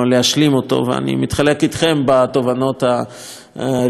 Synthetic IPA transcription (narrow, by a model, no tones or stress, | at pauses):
leaʃlimo̞t̪o̞̰vea̰nḭmit̪χale̞kit̪χe̞mbat̪o̞vano̞t̪a